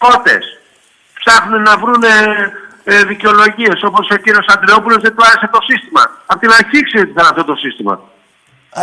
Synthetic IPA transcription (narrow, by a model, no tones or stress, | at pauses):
ko̞t̪e̞̰s | psɐxunenɐvɾune | ðiceo̞lo̞ʝie̞so̞po̞so̞ciɾio̞sɐnd̪ɾeo̞pulo̞zðet̪oɐɾeset̪o̞sist̪imɐ̰ɐpot̪inɐçiksiot̪it̪ɐnɐft̪ot̪o̞sist̪imɐ̰